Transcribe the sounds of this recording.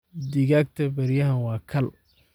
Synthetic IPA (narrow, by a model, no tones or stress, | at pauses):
d̪ɪɣaːɡ̚t̪ʰɐbɐɾjɐɦɐnwɑːkʰɐl